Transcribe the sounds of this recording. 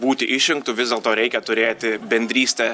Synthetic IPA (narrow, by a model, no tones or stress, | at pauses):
buːt̪ʲɪʔɪʃʲɪŋkt̪ʊʋʲɪzd̪ʲeːlˠt̪oːɾʲɛɪkʲɛt̪ʊɾʲeːt̪ʲɪbʲɛnʲd̪ʲɾʲiːsʲt̪ʲɛː